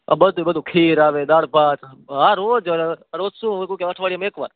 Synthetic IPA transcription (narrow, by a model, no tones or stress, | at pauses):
a̰bəd̪ʱubəd̪ʱũkʰiːɾaʋed̪aːɽbʱaːt̪ɦãɾoːd͡ʒəɾod͡ʒsũkũkeəʈʰʋaɭiameːkʋa̰ːɾ